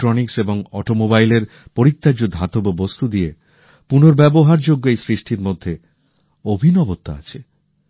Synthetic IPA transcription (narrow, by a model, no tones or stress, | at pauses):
ʈɾonikseboŋɔʈomobajleɾ | poɾit̪ːad͡ʑud̪ʱːat̪obobost̪ʰud̪ije | punoɾbɛboɦaɾd͡ʑoɡːoejsɾiʃʈiɾmod̪ʱːe | obʱinɔbot̪ːa̰a̰t͡ɕʰe